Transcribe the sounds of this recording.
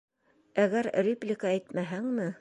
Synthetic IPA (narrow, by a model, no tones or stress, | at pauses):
æɣæɾrʲeplʲɪkaæjt̪mæɦæŋmɘ